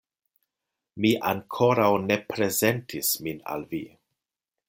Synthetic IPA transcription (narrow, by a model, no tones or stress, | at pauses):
miʔaŋkʰo̞ɾawne̞pɾe̞zentʰismina̰lvi